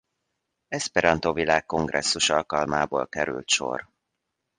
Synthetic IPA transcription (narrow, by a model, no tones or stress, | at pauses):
ɛspɛɾɒnt̪ovilaːkːo̞ŋɡrɛsːuʃɒlkɒlmaːboːlkɛɾy̰lt̪ʃo̞̰r